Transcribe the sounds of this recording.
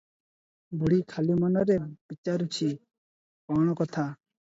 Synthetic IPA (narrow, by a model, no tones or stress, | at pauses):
buɽikʰalimɔnɔɾeb̥it͡ʃaɾut͡ʃʰi | kɔɽ̃ɔkɔt̪ʰa